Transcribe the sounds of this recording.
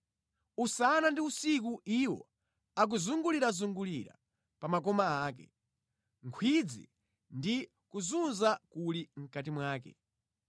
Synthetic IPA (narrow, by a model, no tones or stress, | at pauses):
usanandiusikuʔiwɔ̰ | ak̬uzuŋɡuliɾazuŋɡuliɾa̰ | pamak̬ɔmaaːk̬ɛ̰ | ŋkʰwid͡zḭ | ndi | kuzunzakuliŋ̩katimwaːkɛ̰